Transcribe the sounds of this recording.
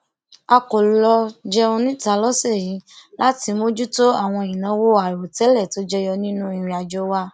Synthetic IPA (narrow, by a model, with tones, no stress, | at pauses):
a˧ko˨lɔ˧d͡ʒɛ˦ɔ˧nĩ˦˨ta˧˦lɔ˦sɛ˦˨jĩ˨˦la˦ti˧mo˦d͡ʒu˦to˦a˦˨w̃ɔ̃˧˨ĩ˨nã˨˦wo˦a˨ɾo˨tɛ˨˦lɛ˦˨to˦d͡ʒɛ˦jɔ˧nĩ˦nũ˦ĩ˨˧˨ɾ̃ĩ˧a˧d͡ʒo˦wa˦